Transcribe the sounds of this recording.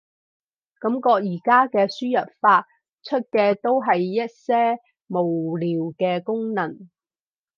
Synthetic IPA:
kɐ˧˥mkɔː˧k̚jiː˨˩kaː˥kɛː˧syː˥jɐ˨t̚faː˧t̚ | t͡ʃʰɵ˥t̚kɛː˧t̪o˥wɦɐ˨jːɐ˥t̚sɛː˥ | mo˨˩wliː˨˩wkɛː˧kʊ˥ŋnɐ˨˩n

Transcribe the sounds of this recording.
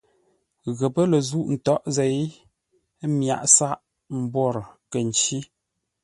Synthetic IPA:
ɣə˨pə˦lə˨zu˦ʔn̩˨tɔ˦ʔze˨˦j | mja̰˨ʔsa˦ʔ | m̩˨bwɔ˦˨ɾkə˨n˨t͡ʃi˦

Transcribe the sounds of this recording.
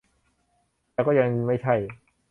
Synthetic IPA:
ɛː˧kɔː˥˩ja˧ŋma˥˩jt͡ɕʰa˥˩j

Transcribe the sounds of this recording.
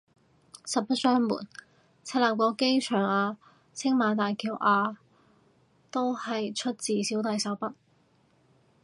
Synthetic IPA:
sɐ˨p̚pɐ˥t̚sœː˥ŋmṵː˨˩n | t͡sʰa˥laː˨˩pɔː˨˧˥ke˥jt͡ʃʰœː˨˩ŋaː˧ | t͡sʰɪ˥ŋmaː˨˥nt̪aː˨jkiː˨˥wʔaː˧ | t̪o˥whɐ˨jt͡ʃʰɵ˥t̚t͡siː˨siː˨˥wt̪ɐ˧jsɐ˨˥wpɐ˥t̚

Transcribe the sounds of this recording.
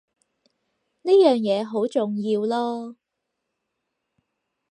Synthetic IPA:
niː˥jœː˨ŋjɛː˨˧ɦo˨˥wt͡sʊ˨ŋjiː˧wlɔː˥

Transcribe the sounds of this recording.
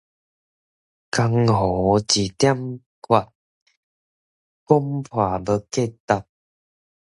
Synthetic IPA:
ka˧ŋɦɔ˨˦t͡ɕi˨˩t̪ja˦m | kwa˧˩t̚ | ko˦mpʰwa˨˩bə˧ke˥˧˨t̪a˧t̚

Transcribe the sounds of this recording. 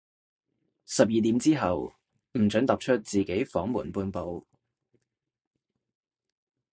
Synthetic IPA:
sɐ˨p̚jiː˨t̪i˨˥mt͡siː˥ɦɐ˨w | m̩˨˩t͡ʃœː˨˥ŋt̪ɐ˨p̚t͡ʃʰɵ˥t̚t͡siː˨˩ke˨˥jfɔː˨˥ŋmuː˨˩npuː˧npo˨˧w

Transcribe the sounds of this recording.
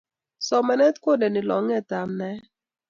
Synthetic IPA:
sɔ˨mɛ˨nɛ˦tko˦dɛ˨nɪ˨lɔ̰˨˦ŋɛ˦ta˨mnɛ˦

